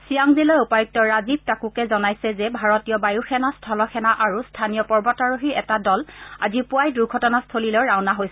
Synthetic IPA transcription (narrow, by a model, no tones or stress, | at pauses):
sijaŋzilɔjupajuk̚tɔɹazib̚takukɛzɔnajsɛzɛbʱaɹɔtijɔbajuxɛnastʰɔlɔxɛnaʔaɹustʰanijɔpɔɹbɔtaɹoɦiɹɛtadɔla̰zipʊajduɹɡʱɔtɔnastʰolilɔɹawnaɦojsɛ